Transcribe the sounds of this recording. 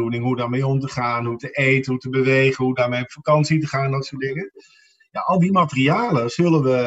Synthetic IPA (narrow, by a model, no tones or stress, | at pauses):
unɪŋɦudaːɹmejɔmtəχaːnɦutəʔejtənɦutəbəʋejχənɦudaːɹmejfakɑnsitəχaːndɔtsoːdɪŋə | jaʔɑlˠdimatəriaːləzɵlənʋə